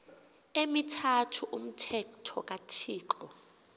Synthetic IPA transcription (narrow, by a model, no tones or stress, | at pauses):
emitʰatʰuʔum̩tʰɛktʰɔ̰k̬ʼatʰiːǃʼɔ